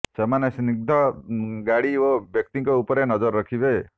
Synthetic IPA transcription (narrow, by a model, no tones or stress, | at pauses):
semanesniɡ̚d̪ʱɔɡaɽiobjɔk̚t̪iŋkɔupɔɾenɔd͡ʒɔɾːɔkʰibe